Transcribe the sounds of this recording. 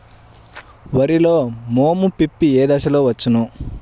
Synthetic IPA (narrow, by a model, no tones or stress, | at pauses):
ʋɐɾiloːmoːmupipːieːd̪ɐsɐloːʋɐt͡ʃːunu